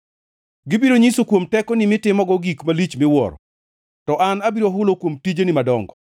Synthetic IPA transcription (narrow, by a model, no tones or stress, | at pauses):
ɡɪbiɾoɲisokwomtɛkɔnɪmɪtɪmɔɡɔɡikmalit͡ʃmɪwɔ̰ɾɔ | tɔʔanabiɾoɦʊlokwomtid͡ʒenɪmadɔŋɡɔ